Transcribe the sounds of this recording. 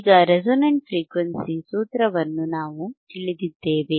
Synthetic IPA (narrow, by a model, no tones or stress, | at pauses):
ɡɐɾed͡ʒonɐɳʈ̚fɾiːkʋɐnsisuːt̪ɾɐʋɐnːunaːʋut̪iɭid̪id̪ːe̞ːʋe̞